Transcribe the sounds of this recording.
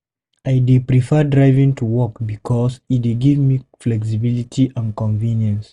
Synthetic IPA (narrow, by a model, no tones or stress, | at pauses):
ajdipɹifɛdɹaɪvĩŋtʰuwɔkbikʰɔsitiɡivmiflɛks̬ibilitʰiʔãnkɔ̃ɱvĩnjə̃ns